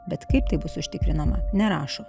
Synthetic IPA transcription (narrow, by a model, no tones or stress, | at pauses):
bʲɛt̪kɐɪp̚t̪ɐɪbʊsʊʃʲt̪ʲɪkɾʲɪnɐmɐnʲɛɾɑːʃo